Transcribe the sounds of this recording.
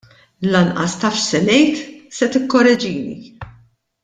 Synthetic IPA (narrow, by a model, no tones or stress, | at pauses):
lɐnʔɐst̪ɐfʃsɛnɛjt̪sɛt̪ɪkːɔɾɛd͡ʒiːnḭ